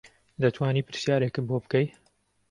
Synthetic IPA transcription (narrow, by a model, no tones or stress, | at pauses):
d̪ɐt̪ʰwaːniːpɨɾsjaːɾekɨboːbɨkɐj